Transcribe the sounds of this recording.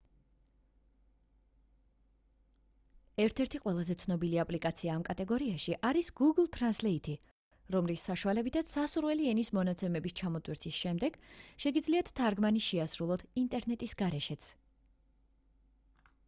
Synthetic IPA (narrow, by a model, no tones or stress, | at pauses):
ɛɾt̪ʰɛɾt̪ʰiqʼwɛlˠazɛt̪sʰnɔbiliapʼlikʼat̪sʰiaːmkʼat̪ʼɛɡɔɾiaʃiʔaɾisɡ̥uɡlˠt̪ʰʼɾanslɛit̪ʰi | ɾɔmlisːaʃualɛbit̪ʰat̪sasuɾwɛliɛnismɔnat̪sʰɛmɛbist͡ʃʰamɔt̪ʼwiɾt̪ʰisʃɛmd̪ɛɡ̥ʃɛɡid̪zliat̪ʰt̪ʰːaɾɡmaniʃɛasɾulˠɔt̪ʰint̪ʼɛɾnɛt̪ʼisɡaɾɛʃɛt̪sʰ